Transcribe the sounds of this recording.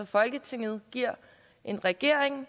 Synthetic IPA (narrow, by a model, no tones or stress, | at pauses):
ɒ̽fɒ̽lɡ̥ət͡sʰeŋ̰ð̞̩ˠɡ̥iɐ̰ | ʔe̝nʁɛɡ̥e̝ɐ̰eŋ